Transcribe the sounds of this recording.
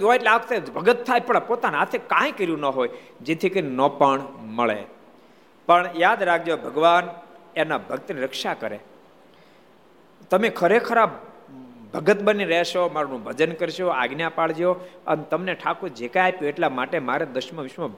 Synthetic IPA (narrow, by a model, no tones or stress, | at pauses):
ɦojʈleakt̪ebʱəɡət̪ʰːajpəɽpot̪anat̪ʰekãj̃kəɾjũnəɦojd͡ʒet̪ʰikəɾinɔpəɳməɭḛ | pəɳjad̪ɾak̚ʰd͡ʒeobʱəɡʋanenabʱəɡ̚t̪əniɾəkʃakəɾe | t̪əmekʰəɾekʰəɾab | bʱəɡət̪bəniɾəɦeʃomaɾnũbʱəd͡ʒənkəɾiʃoa̰ɡnjapaɭd͡ʒeoə̰net̪əmneʈʰakud͡ʒekajapjueʈlamaʈemaɾed̪əʃmə̃ʋɪʃmã